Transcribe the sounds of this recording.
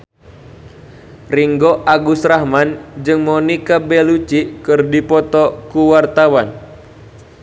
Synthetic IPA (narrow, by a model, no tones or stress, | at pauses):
riŋɡɔʔaɡusrahmand͡ʒɨŋmɔnikabɛlut͡ʃikɨrdipɔt̪ɔkuwart̪awan